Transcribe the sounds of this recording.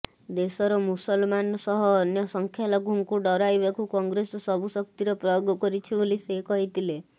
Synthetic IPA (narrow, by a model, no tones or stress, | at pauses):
d̪esɔɾɔmusɔlmanɔsɔɦɔːnjɔsɔŋkʰjalɔɡʱuŋkuɖɔɾajbakukɔŋɡɾesɔsɔbusɔkt̪iɾɔpɾɔjoɡɔkɔɾit͡ʃʰibolisekɔɦit̪ʰile